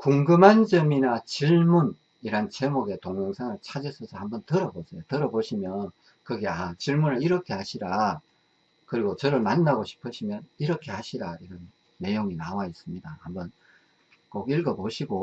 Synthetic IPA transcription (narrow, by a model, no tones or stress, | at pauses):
kuŋɡɯmand͡ʑʌminat͡ɕiɭmun | iɾant͡ɕe̞moɡe̞toŋjʌŋsʰaŋɯɭt͡ɕʰad͡ʑes͈ʰʌsʰʌhambʌntɯɾʌbosʰe̞jotɯɾʌboɕʰimjʌn | kɯɡe̞at͡ɕiɭmunɯɭiɾʌkʰe̞haɕʰiɾa | kɯɾiɡot͡ɕʌɾɯɭmanːaɡoɕʰi̥pʰɯɕʰimjʌniɾʌkʰe̞haɕʰiɾaiɾʌnː | e̞joŋinawais͈ɯmɲidahambʌn | koɡiɭɡʌboɕʰiɡo